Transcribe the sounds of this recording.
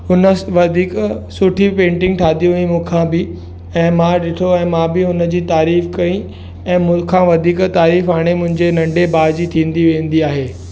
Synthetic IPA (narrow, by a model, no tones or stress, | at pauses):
ɦʊnə̆ʋɐd̪ʱiːksʊʈʰipẽːɳʈɪ̃ŋɡ̚ʈʰaːd̪ijũʋĩmũːkʰãbɪ | ɛ̃ːmãɗɪʈʰoɛ̃ːmãːbɪɦʊnəd͡ʑiːt̪aːɾiːfkɐĩ | ɛ̃ːmʊ̃kʰãːʋɐd̪ʱiːkt̪aːɾiːfaːɽ̃emʊ̃ɦɪ̃ɲd͡ʑenɐ̃ɳɖebaːd͡ʑit̪ʰĩːnd̪iʋẽːnd̪iaːɦeː